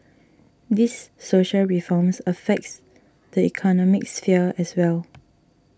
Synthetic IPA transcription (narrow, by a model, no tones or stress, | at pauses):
disːoʃəlɹifɔmsəfɛk̚s | dəḭkʰɔnɔmɪk̚sfiəɛswɛl